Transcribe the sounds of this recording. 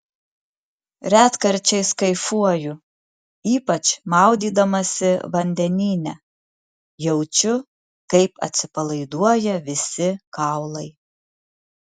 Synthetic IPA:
ɾʲæːt̪kɐɾʲt͡ʃʲɛɪskɐɪfuɔjʊ | iːpɐt͡ʃmɑˑʊd̪ʲiːd̪ɐmɐsʲɪʋɐnʲd̪ʲɛnʲiːnʲɛ | jɛʊt͡ʃʲʊ | kɐɪpɐ̰t̪ʲsʲɪpɐlˠɐɪd̪uɔjɛʋʲɪsʲɪkɑˑʊlˠɐɪ

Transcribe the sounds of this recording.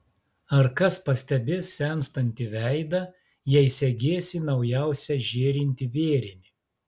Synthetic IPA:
ɐɾkɐspɐsʲt̪ʲɛbʲɪsʲɛnst̪ɐnʲt̪ʲɪʋʲæɪd̪ɐ | jɛɪsʲɛɡʲeːsʲɪnɐʊjæˑʊsʲɛʒʲeːɾʲɪnʲt̪ʲɪʋʲeːɾʲɪmʲɪ

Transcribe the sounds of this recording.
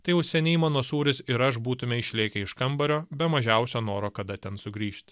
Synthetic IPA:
t̪ɐɪjɛʊsʲɛnʲɛɪmɑːnoːsuːɾʲɪsɪɾɐʃbuːt̪ʊmʲeɪʃʲlʲeːkʲɛɪʃkɐmbɐɾʲoːbʲɛmɐʒʲɛˑʊsʲoːnoːɾoːkɐd̪ɐt̪ʲɛnsʊɡɾʲiːʃʲt̪ʲ

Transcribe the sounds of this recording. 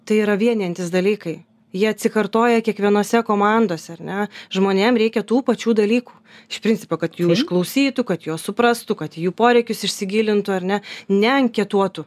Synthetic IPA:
t̪ɐɪiːɾɐʋʲiɛnʲiɛnʲt̪ʲɪsd̪ɐlʲiːkɐɪ | jiɛɐt̪ʲsʲɪkɐrt̪oːjɛkʲiɛkʋʲiɛnoːsʲɛkoːmɑnd̪oːsʲɛɐɾnʲɛʒmoːnʲeːmɾʲɛɪkʲɛt̪uːpɐt͡ʃʲuːd̪ɐlʲiːkuːɪʃpʲɾʲɪnʲt͡sʲɪ̥poːkɐt̪juːɪʃklˠɐʊsʲiːt̪ʊkɐt̪joːsʊpɾɐst̪ʊkɐt̪juːpoːɾʲɛɪkʲʊsɪʃʲsʲɪɡʲiːlʲɪnt̪ʊɐɾnʲɛnʲɛɐŋʲkʲɛt̪uɔt̪ʊ

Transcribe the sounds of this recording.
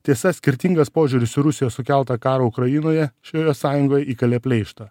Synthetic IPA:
t̪ʲiɛsɐsʲkʲɪɾʲt̪ʲɪŋɡɐspoːʒʲʊːɾʲɪsɪɾʊsʲɪjoːsʊkʲælˠt̪ɐkɑːɾoʊkɾɐjɪnoːjɛʃʲoːjosɑːjʊŋɡoːjɛʔiːkɐlʲeːpʲlʲɛɪʃt̪ɐ

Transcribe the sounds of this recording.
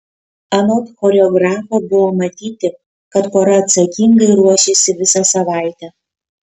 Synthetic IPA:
ɐnoːt̪xoːɾʲɛɔɡɾɑːfobʊʋomɐt̪ʲiːt̪ʲɪ | kɐt̪koːɾɐɐt̪sɐkʲiŋɡɐɪɾuɔʃʲesʲɪʋʲɪsɐsɐʋɑˑɪt̪ʲɛ

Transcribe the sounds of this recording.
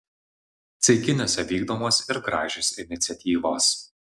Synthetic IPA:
t̪sʲɐɪkʲɪnʲoːsʲɛʋʲiːɡd̪oːmoːsʲɪɾɡɾɑːʒʲʊsʲɪnʲɪt̪sʲɛt̪ʲiːʋoːs

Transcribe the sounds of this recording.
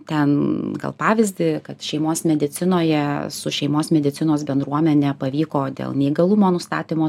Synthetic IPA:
t̪ʲɛnɡɐ̰lˠpɑːʋʲɪzʲd̪ʲɪkɐt̪ʃʲɛɪmoːsmʲɛd̪ʲɪt͡s̪ʲɪnoːjɛsʊʃʲɛɪmoːsmʲɛd̪ʲɪt͡s̪ʲɪnoːsbʲɛnd̪ɾuɔmʲɛnʲɛpɐʋʲiːkoːd̪ʲḛːlˠnʲɛiɡɐlˠumoːnʊst̪ɑ̰ːt̪ʲimoː

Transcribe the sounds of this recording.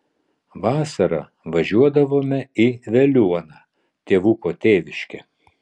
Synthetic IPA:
ʋɑːsɐɾɐ̰ | ʋɐʒʲuɔd̪ɐʋoːmʲɛiʋʲɛlʲuɔnɑː | t̪ʲeːʋukoːt̪ʲeːʋʲɪʃʲkʲɛ̰

